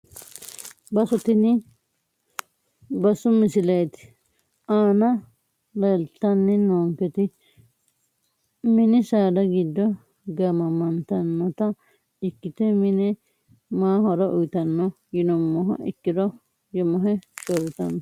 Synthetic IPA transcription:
bɐsɔt̪ɪnɪ | bɐsʊmɪsɪlɐjt̪ɪ̥ | aːnɐ | lɐlt̪ːɐnːɛnoːŋkɛt̪ɪ | mɪnɪsaːd̪ɐɡɪd̪ːɔ | ɡɐmɐmɐnt̪ɐnːɔt̪ɐ | ɪkːɪt̪ɛmɪnɛ | maːhɔɾɐʔʊjt̪ɐnːɔ | jɪnɔmːɔɦɐ̰ɪkːɪɾɔ | jɔmɔɦɛsɔɾɪt̪ɐnɔ

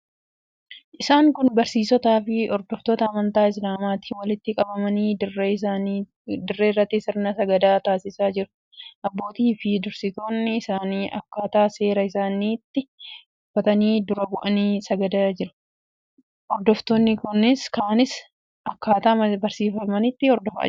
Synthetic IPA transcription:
ʔɪsaːŋkʊnbɐɾsiːsɔt̪aːfɪɔɾd̪ɔft̪oːt̪ɐːmɐnt̪aːɪs̬laːmaːt̪iːwɐlɪt̪ːɪkʼɐbɐmɐniː | d̪ʊrːeːrːɐt̪ːɪsɪɾnɐsɐɡɐd̪aːt̪aːsɪsaːd͡ʒɪɾʊ̥ | ʔɐbːo̞ːt̪iːfɪd̪ʊɾsɪt̪o̞ːnːɪɪsaːniːʔɐ̰kːaːt̪aːse̞ːɾɐɪsaːniːt̪ːɪ | ʊfːɐt̪ɐniːd̪ʊɾɐbʊʔɐniːsɐɡɐd̪aːd͡ʒɪɾʊ̥ | ʔɔɾd̪ɔft̪oːnːɪkʊnːɪskaːnɪs | ʔɐkːaːt̪aːɐbɐɾsiːfɐmɐnɪt̪ːɪɔɾd̪ɔfɐ̰ɐ̰

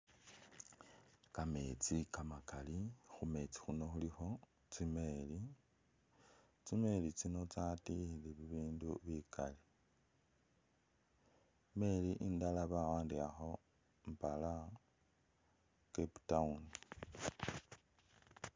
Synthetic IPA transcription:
kame̞t͡sikamakalixume̞t͡si̥xuno̞xulixo̞ | t͡simeli | t͡sime̞lit͡sino̞t͡satiliβiβiːnduβikali | me̞liʔindalaβawaːndiaxo̞ | mpala | keptauni

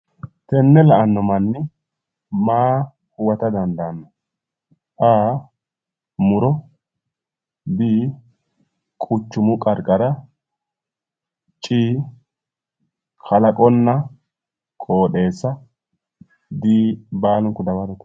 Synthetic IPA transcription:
t̪ɛnːɛlɐʔɐnːɔmɐnːɪ | maː | hʊwɐt̪ɐd̪ɐnd̪aːnːɔ | ʔaː | mʊɾɔ | biː | kʼʊt͡ʃːʊmʊkʼɐɾkʼɐɾɐ | t͡ʃʼiː | kʰɐlɐkʼɔnːɐ | kʰʼoːɗe̞ːsːɐ | d̪iːbaːlɔŋkʊd̪ɐwɐɾɔt̪

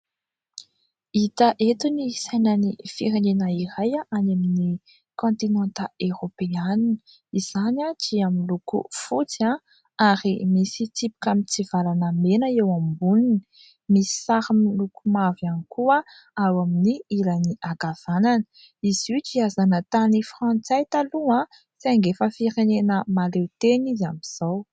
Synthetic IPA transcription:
it̪aʔet̪unisajnənifiɾenenaiɾajaʔanamini | kõnt̪inant̪aeɾopeanini̥ | iz̥anat͡ʃiamilukṵfut͡sia | aɾimisit͡s̪ipi̥kamit͡sivalanəmenəewambuluni | misi̥saɾamlukumavanikuə | awaminiilaniʔaɡav̥ananə̥ | izut͡ʃiazanət̪anifrɑ̃nt͡sajt̪aluã | saŋɡefəfiɾenenəmalewt̪enizamiz̥aw

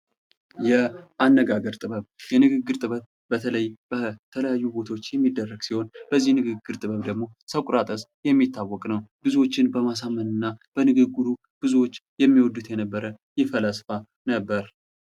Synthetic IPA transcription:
jɛʔanːəɡaɡəɾt̪ʼɨβəβjɛnɨɡɨɡːɨɾt̪ʼɨβət | bət̪ʰələjb̥ət̪ʰələjajːubo̞t̪ʰaot͡ʃːjɛmːid̪ːərːəɡsiho̞nb̥əzːihnɨɡɨɡːɨɾt̪ʼɨβəβd̪əɡmo̞səkʷʼʊɾat̪ʼəsjɛmːit̪ːawːɔkʼnəwb̥ɨzuwo̞t͡ʃːɪnbəmas̬amːənɨnːab̥ənɨɡɨɡːud̪u | b̥ɨzuwo̞t͡ʃːjɛmːiwɔd̪ːut̪jɛnəbːəɾə | jɪfəlasfa | nəbːəɾ

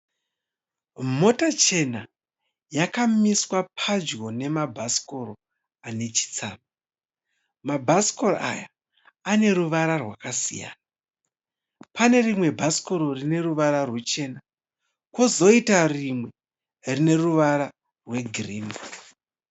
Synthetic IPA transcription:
mo̞tat͡ʃe̞na | jakamiswapʰad͡ʒɡo̞ne̞mabʱasi̥ko̞ɾo | ane̞t͡ʃi̥t͡saːma | mabʱasi̥koro̰ʔa̰jaː | ne̞ɾuʋaɾarwakasḭja̰ːna | pane̞rimwe̞bʱasi̥koɾo̞rine̞ruʋaɾarwet͡ʃe̞ːna | kwozo̞itarimwe̞ | rine̞ruʋaɾa | rwe̞ɡʱriːn

